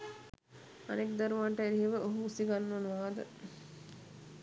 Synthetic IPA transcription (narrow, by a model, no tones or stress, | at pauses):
a̰nekd̪aɾuʋaɳʈəeɾiɦeʋəʔoɦuːsiɡanːuɐnʋaːd̪ə̰